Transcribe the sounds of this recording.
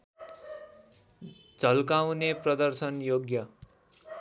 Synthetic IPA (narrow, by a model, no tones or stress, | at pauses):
d͡zʌlkawneprʌd̪ʌrsʌnjoɡjʌ